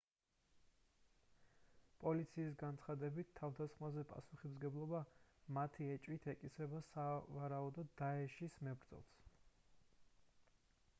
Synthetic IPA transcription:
pʼɔlit̪sʰiːs̬ɡansʰχad̪ɛbit̪ʰːavd̪asχmazɛpʼa̰suχimzɡɛblˠɔbamat̪ʰiɛt͡ʃʼwit̪ʰɛkʼisɾɛbasavaɾaud̪ɔd̪aɛʃismɛbɾd̪zɔ̰lˠs

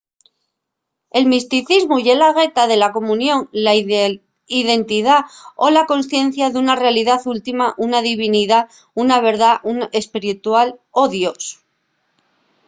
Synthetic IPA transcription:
e̞lmist̪iθizmuʝe̞laɣe̞t̪aðe̞lako̞mũnjõ̞ŋla | iðe̞nt̪iðao̞lako̞nsθje̞n̟θjaðeunare̞aliðaθult̪imaʔunaðiβ̞iniða | unaβ̞e̞ɾðaʔune̞spiɾit̪walo̞ðjo̞s

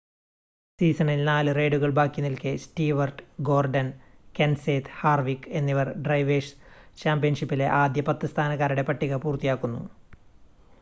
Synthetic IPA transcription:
siːsɐnilnaːlɨre̞ːɖuɣɐɭbaːkːinilkesʈiːʋɐrɖɡo̞ːrɖɐnkenseːt̪haːrʋikːe̞nːiʋɐrɖrɐjʋeʂt͡ɕaːmbijɐnʂipːile̞ʔaːd̪jɐpɐt̪ːɨst̪ʰaːnɐɣaːɾuɽe̞pɐʈːiɣɐpuːrt̪ijaːkːunːṵ

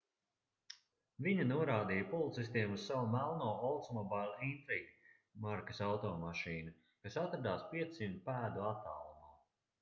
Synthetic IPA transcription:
viɲunuɔɾaːd̪iːjɐpɔlˠit̪sist̪iɛmussːawumælˠnɔːɔlˠt̪smɔbajlʲˠint̪ɾiɡ | maɾkɐ̥sawt̪ɔːmaʃiːnu | kasat̪ɾad̪aːspiɛt̪simt̪pæːd̪uat̪ːaːlˠumaː

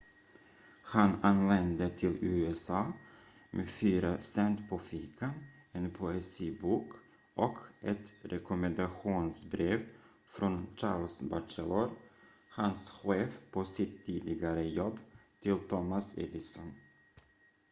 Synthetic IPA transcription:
hananlɛnd̪ət̪ʰɪlʉ̟ːɛsɑː | mʔeːfyːɾasɛnt̪pʰɔfiːkʰan | ɛnpʰʊɛsiːbuːk | ʔɔkʰʔɛt̪ɾʔɛkʊmɛnd̪aɧuːnsbɾeːv | fɾɔnt͡ʃɑːɾlsbasɛlɔɾ | hansɧeːfpʰosɪt̪ʰːiːd̪ɪɡaɾəjɔbːt̪ʰɪlt̪ʰɔmasɛ̰d̪ɪsɔn

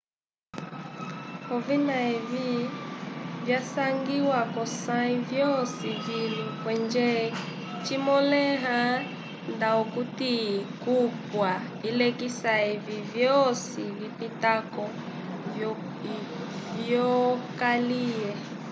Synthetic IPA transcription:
ɔvinaɛvi | vjasaŋɡiwakɔsaivjɔsivilikwɛnd͡ʒɛ | t͡ʃimɔlɛɦa | ndaɔkutikupwa | ilɛkisaivivjɔsivipitakɔ | vjɔkaliɛ

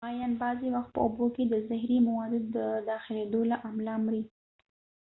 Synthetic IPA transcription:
ɑjɑnbɑzewaxt̪̚pə̰oboked̪əzɪhɾimawɑd̪ɪd̪ːəd̪ɑxɪled̪olaʔamlɑmɾi

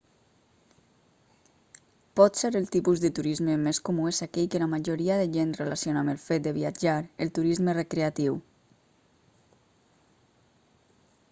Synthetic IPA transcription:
pɔt̪seɾəlˠt̪ipuzðət̪uɾizməmeskumuesakɛʎkəlamaʒoɾiaðəʒenrelasionaməlˠfet̪̚d̪əβiad͡ʒaɾəlˠt̪uɾizmərekɾeat̪iw

